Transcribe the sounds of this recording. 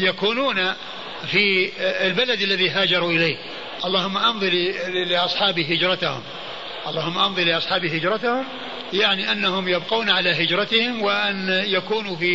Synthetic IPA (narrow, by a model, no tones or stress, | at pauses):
jakuːnuːna | fiɪlbalad̪alːaðiɦaːd͡ʒɑɾˤuʔɪleːh | ʔɑlˤːɑːhʊmːaʔɑnðˤɨlɪʔɑsˤħɑːbiɦɪd͡ʒɾˤɑt̪ahʊ̰m | ʔɑlˤːɑːhʊmːaʔɑnðˤɨlɪʔɑsˤħɑːbihɪd͡ʒɾˤɑt̪ahʊm | jaʕniʔanːahʊmjabquːnʕalaɦɪd͡ʒɾˤɑt̪ɪhɪmwɪʔanjakuːnufi